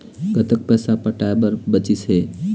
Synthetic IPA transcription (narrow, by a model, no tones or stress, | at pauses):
ɡət̪ək̚pɛsapəʈaebəɾbət͡ʃisɦe